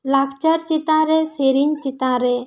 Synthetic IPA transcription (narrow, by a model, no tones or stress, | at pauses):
lakt͡ʃəɾt͡ʃit̪aɾeseɾint͡ʃit̪aɾe